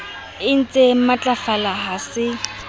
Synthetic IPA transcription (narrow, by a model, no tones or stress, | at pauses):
ɪn̩t͡sʼemat͡ɬʼafalaɦasɪ